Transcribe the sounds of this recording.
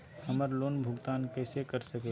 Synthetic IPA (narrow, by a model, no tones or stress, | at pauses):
həməɾloːnbʱʊɡt̪aːnkɛːsekəɾsəke